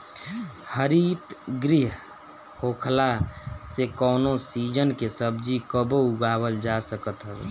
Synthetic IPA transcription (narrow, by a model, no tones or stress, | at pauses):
həɾiːt̪ɡɾɪɦ | hoːkʰlasekɔːnosiːd͡ʒənkesəbd͡ʒikəbʊɡaːwəld͡ʒaːsəkət̪ɦɛː